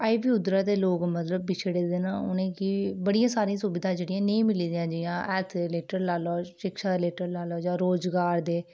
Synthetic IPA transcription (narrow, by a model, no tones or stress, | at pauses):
aːipiːʊd̪ɾaːd̪eːloːkmət̪ləb̚ːɪt͡ʃʰɽeːd̪ɪnãːʊ̰nẽːkɪbəɽijãːsaːɾĩãːsubɪd̪ãːd͡ʒeːɽijãːneĩːmɪliːd̪ijãːd͡ʒɪjãːʔɛːt̪ʰeleːʈəɾlaːloːʃɪkʃaːleːʈəɾlaːlɔːd͡ʒãːɾoːd͡ʒɡaːɾd̪eː